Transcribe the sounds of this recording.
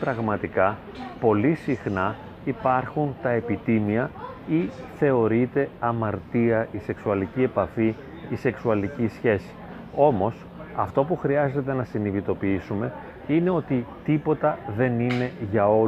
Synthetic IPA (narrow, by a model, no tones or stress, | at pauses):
pɾɐɣmɐt̪ikɐ | po̞lisixnɐ | ipɐɾxunt̪ɐe̞pit̪imiɐiθe̞o̞ɾit̪e̞ɐmɐɾt̪iɐʔise̞ksuɐlicie̞pɐfi | ise̞ksuɐlicisçe̞si̥ | o̞mo̞s | ɐft̪o̞puxɾiɐze̞t̪e̞nɐsiniðit̪o̞piisume̞ | ine̞ot̪it̪ipo̞t̪ɐðe̞nine̞ʝɐo̞